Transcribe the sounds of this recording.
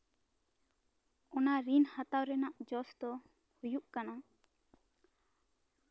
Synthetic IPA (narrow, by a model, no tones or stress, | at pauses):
ɔnaɾinhat̪awɾɛnaʔd͡ʒɔsd̪ɔ | hujuʔkana